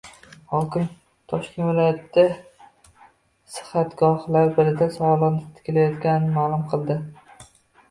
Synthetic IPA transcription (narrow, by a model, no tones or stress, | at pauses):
hɒkʲɪm | t̪ʰɒʃkʲe̞nvɪlˠɒjat̪ːa | sɨ̥hat̪ɡɒhlaɾbɪɾɪd̪asɒwɒlˠɨnɪt̪ʰɪ̥kʲʰɪlajɒt̪kʲanɪnɪmaːlˠʊmqʰɨlˠd̪ɪ